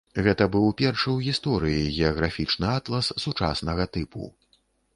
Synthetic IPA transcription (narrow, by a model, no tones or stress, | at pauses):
ɣɛt̪ɐbɨwpʲɛrʂɨwɣʲist̪ɔɾɨjiɣʲɛɐɣɾafʲit͡ʂnɨat̪lˠɐsːut͡ʂa̰snɐɣɐt̪ɨpʰṵ